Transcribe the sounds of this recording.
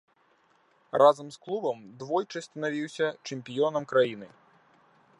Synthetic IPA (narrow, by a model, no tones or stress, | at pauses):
rʔazɐmsklˠubɐmd̪vɔjt͡ʂɐsʲt̪ʲɐnavʲiwsʲɐt͡ʂɛmʲpʲijɔnɐmkɾajinɨ